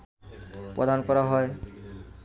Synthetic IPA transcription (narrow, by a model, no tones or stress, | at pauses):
pɾɔ̰d̪ʱankɔɾaɦɔe